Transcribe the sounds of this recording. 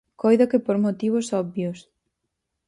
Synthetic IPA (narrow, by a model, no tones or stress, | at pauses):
kojðokepoɾmot̪iβ̞osɔbjos